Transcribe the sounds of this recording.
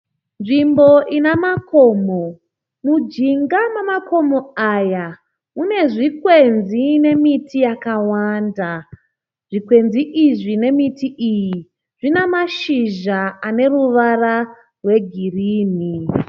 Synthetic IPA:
nʐimbo̞ʔinamakoːmo | mud͡ʒiŋɡamamako̞mo̞aja | mune̞ʐikwenzine̞mitʰijakawaːnda | ʐ̥ikwe̞nziʔiʐine̞mitiʔiji | ʐ̥inamaʃiʒaane̞ruʋara | rwe̞ɡʱiriːni

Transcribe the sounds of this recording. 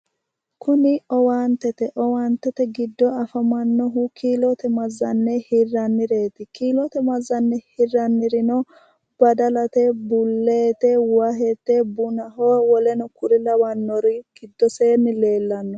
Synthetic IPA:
kʊnɪɔwaːnt̪ɛt̪ɛʔɔwaːnt̪ːɛt̪ɛɡɪd̪ːɔɐfɐmɐnːɔɦʊkʰiːlɔt̪ɛmɐzːɐnːɛhɪrːɐnːɪɾe̞ːt̪ɪkiːlɔt̪ɛmɐzːɐnːɛhɪrːɐnːɪɾɪnɔ | b̥ɐd̪ɐlɐt̪ɛbʊlːeːt̪ɛwaɦɛt̪ːɛbʊnɐɦɔwɔlɛnʊkʊɾɪlɐwɐnːɔɾɪɡ̥ɪd̪ːɔseːnːɪle̞ːlːɐnːɔ

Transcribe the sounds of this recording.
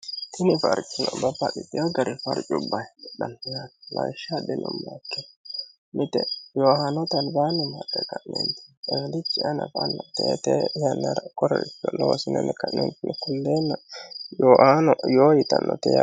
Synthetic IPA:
t̪ɪnɪfɐɾt͡ʃʼːɪnɔbɐpːɐɗɪt̪ːɪjɔɡɐɾɪfɐɾt͡ʃʼʊbːɐjᶑɐnjatlɐ̰jʃadɛnʊmːakːɛ | mɪt̪ɛjoːhɐnɔt̪ɐnbaːnɛmɐtːɛkɐʔnɛ̰nt̪ɪ̥ɛɡd̪ɪt͡ʃːɪʔɐnɐ̰fɐnːɐt̪ḛːt̪ejɐnːɐɾɐkɔɾɛɾɪt͡ʃːɔnoːsɪnɛnɛkɐʔnɛnt̪ɪnɛkʊlːeːnːɐjoːʔaːnɔjoːjɪt̪ɐnːɔ̰t̪ɛja̰

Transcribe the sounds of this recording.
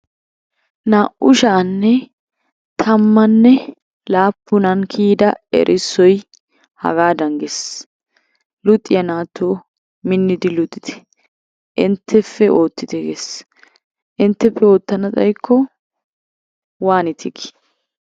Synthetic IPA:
naːʔʊʃaːnːɛ | t̪ʰɐmːɐnːɛ | laːpːʊnɐnkʰiːd̪ɐɛ̰ɾʔɪsːɔj | hɐ̰ɡaːd̪ɐŋɡes | lʊt̪ʼːɪjɐnaːt̪ːoː | mɪnːɪd̪ɪlʊt̪ʼːɪ̥t̪ɛ̥ | ʔɪnt̪ʰːɛfːɛʔo̞ːt̪ːɪt̪ɛɡes | ʔɪnt̪ːɛfːɛo̞ːt̪ːɐnɐt͡sʼɐ̰jkʰːɔ | waːnɪt̪ʰɪɡɪ̥

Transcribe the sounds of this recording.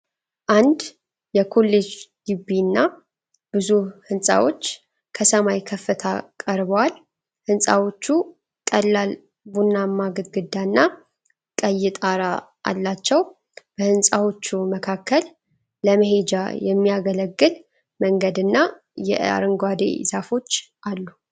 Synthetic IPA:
ʔand̪ | jɛkʰo̞lːed͡ʒɡ̥ɨbːinːa | b̥ɨzuhɨnsʼa̰wo̞t͡ʃː | kʰəsəmajkʰəfːɨt̪ʰakʼəɾbəwal | hɨnsʼa̰wo̞t͡ʃːu | kʼəlːal | bunːamːaɡɨd̪ɡɨd̪ːanːa | kʼəjːɪt̪ʼaɾa | ʔa̰lːat͡ʃːɛw | b̥əhɨnsʼawo̞t͡ʃːuməkʰakʰːəlː | əməɦe̞d͡ʒa̰jɛmːijaɡələɡːɨl | məŋɡəd̪ɨnːa | jɛ̰ʔa̰ɾɨŋɡwad̪ḛzafo̞t͡ʃː | ʔalːu

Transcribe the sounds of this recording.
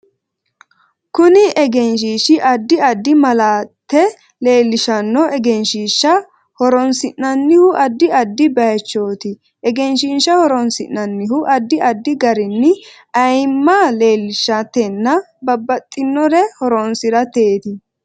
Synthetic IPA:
kʊnɪʔɛɡɛnʃ̬iːʃɪʔɐd̪ːɪɐd̪ːɪmɐlaːt̪ːɛ | le̞ːlːɪʃɐnːɔʔɛɡɛnʃiːʃːɐ | hɔɾɔnsɪnnɐnːɪhʊʔɐd̪ːɪɐd̪ːɪbɐjɐt͡ʃːo̞ːt̪ɪ | ʔɛɡɛnʃinʃːɐhɔɾɔnsɪnːɐnːɪhʊʔɐd̪ːɪɐd̪ːɪɡɐɾɪnːɪ | ɐjmːale̞ːlːɪʃɐt̪ːɛnːɐ | bɐbːɐt̪ʼːɪnːɔɾɛhɔɾɔnsɪɾɐt̪eːt̪ɪ

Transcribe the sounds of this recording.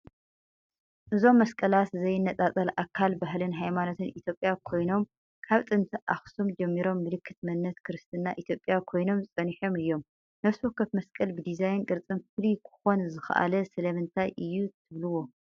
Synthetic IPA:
ʔɨzo̞mːɐskʼɐlat̪zɐjɨnːɐt͡s̪ʼat͡s̪ʼɐlʔakʰːalbaɦlɨnɦajmanot̪ʰɨnʔit̪jo̞pʼjakʰo̞jno̞m | kʰaβt̪ʼɨnt̪ʰɨʔa̰xsumd͡ʒɐmːiɾo̞mːɨlɨkʰːɨt̪mɨnːɐt̪kʰɨɾɨst̪ʰɨnːaʔit̪ʰjo̞pʼjakʰo̞jno̞mzɨt͡sʼɐniħo̞mɨjːo̞m | nɐβswokːɐt̪mɐskʼɐlbɨd̪izajnkʼɨɾt͡sʼɨnfɨlikʰɨ̥xo̞nzɨxʔa̰lɐsɐlɐmɨnt̪ʰajʔɨjːut̪ʰɨβlɨwo̞

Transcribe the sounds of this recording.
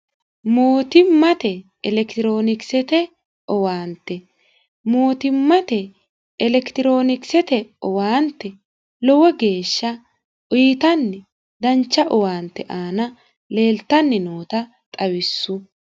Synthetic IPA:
mo̞ːt̪ɪmːɐt̪ɛ | ɛlɛkt̪ɪɾo̞ːnɪksɛt̪ɛ | ʔɔwaːnt̪ːɛ | mo̞ːt̪ɪmːɐt̪ɛ | ɛlɛkt̪ɪɾo̞ːnɪksɛt̪ɛɔwaːnt̪ːɛ | lɔwɔɡe̞ːʃːɐ | ʔʊjɪt̪ɐnːɛ | d̪ɐnt͡ʃːɐʔɔwaːnt̪ːɛʔaːnɐ | le̞ːlt̪ːɐnːɛnoːt̪ɐ | t̪ʼɐwɪsːʊ

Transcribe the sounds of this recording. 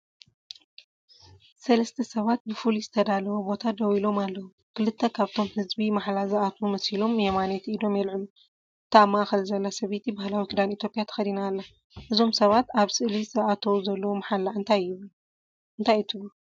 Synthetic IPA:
sɐlɐst̪ʰɐsɐβat̪̚bɨfulizɨt̪ʰɐd̪alɐwobo̞t̪ʰad̪ɐwilo̞malːɐwu | kɨlɨt̪ʰːɐkʰaβt̪ʰo̞mhɨzbimaħlazɐat̪ʰumɐshilo̞mjɛmanet̪id̪o̞mjɛlʕɨlu | t̪ʰamaaːxɐlzɐlːasɐβet̪ʰibahlawikʰɨd̪anit̪ʰjo̞pʼɪjat̪ʰɐ̥xɐd̪inaːlːa | ʔɨzo̞msɐβat̪aβsɨʔlizɐʔat̪ʰɐwzɐlːɐwomħalːaʔɨnt̪ʰajːɪβɨl | ʔɨnt̪ʰajt̪ʰɨβu

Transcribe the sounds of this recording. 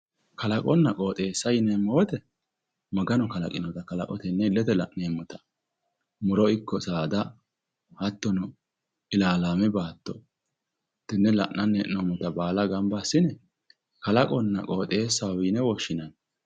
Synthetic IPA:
kɐlɐkʼɔnːɐkʼoːt̪ʼe̞ːsːɐjɪneːmːɔwɔt̪ɛ | mɐɡɐnɔkɐlɐ̰kʼɪnɔd̪ɐkɐlɐ̰kʼɔ̰t̪ɛnːɛɪlːɛt̪ɛlɐ̰ʔneːmːʊt̪ɐ̥ | mʊɾɔɪkːɔsaːd̪ɐ | hɐt̪ːɔnɔ | ɪlaːlaːmɛbaːt̪ːɔ | t̪ːɪnːɛlɐ̰ʔnɐnːɛʔnomʊt̪ɐbaːlɐɡɐmbasːɪnɛ | kɐlɐkʼɔnːɐ̰kʼoːt̪ʼe̞ːsːɐwwinɛwɔʃːɪnɐn

